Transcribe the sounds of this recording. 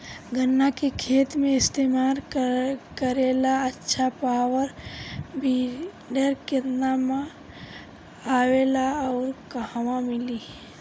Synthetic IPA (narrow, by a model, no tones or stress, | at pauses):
ɡʱənːakekʰeːt̪mẽɪst̪emaːl | kəɾelaətːʃʰapawəɾbi | ɖəɾkɪɾnama | aːwelaɔːɾkəhwãmɪli